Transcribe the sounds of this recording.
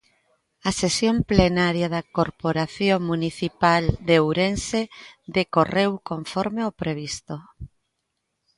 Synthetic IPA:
ɐsesjomplenaɾjaðɐkoɾpoɾaθjoŋmũniθipald̪ewɾensed̪ekorewkoɱfɔɾmeopɾeβ̞ist̪o

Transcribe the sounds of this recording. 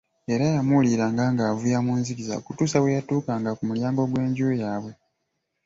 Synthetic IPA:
eɾajamuliɾaːŋɡaːŋɡaːvujamuːnziɡiza̰o̰kutuːsawe̞jatuːkaŋɡakumuljaːŋɡo̞ɡwe̞ːɲɟujaːβwe̞

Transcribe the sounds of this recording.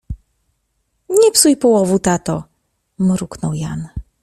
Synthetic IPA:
ɲɛpsujpɔwɔvut̪at̪ɔ | mɾuknɔwjan

